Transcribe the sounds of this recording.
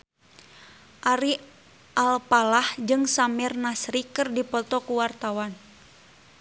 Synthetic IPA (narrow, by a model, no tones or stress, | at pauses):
ʔaɾi | ʔalpalahd͡ʒɨŋsamɛrnasɾikɨrdipɔt̪ɔkuwart̪awan